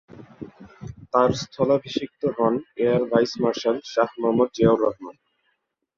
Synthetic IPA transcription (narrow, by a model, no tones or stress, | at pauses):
t̪aɾst̪ʰɔlabʱiʃik̚t̪oɦɔneaɾbajsmaɾʃalʃahmamod̪̚d͡ʑeoɾɔɦman